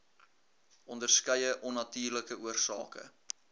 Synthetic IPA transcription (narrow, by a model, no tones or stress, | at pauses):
ʔɔndərskɛjəʔɔnːɐtyːrləkəʔuərsɑ̰ːkə̰